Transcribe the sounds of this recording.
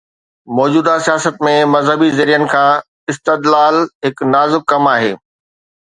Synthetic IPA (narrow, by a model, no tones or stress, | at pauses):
mɔːd͡ʑuːd̪asijaːsət̪mẽmɐzɦəbizɐɾijənɪ̆kʰãː | ɪst̪əd̪laːlɦɪknaːzɪk̚kɐmaːɦḛː